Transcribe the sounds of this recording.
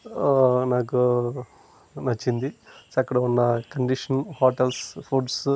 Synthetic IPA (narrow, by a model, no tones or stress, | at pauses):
naːku | nɐt͡ʃːind̪isɐkːɐɽɐunːɐkɐɳɖiʂɐnhoːʈɐlspʰuːʈs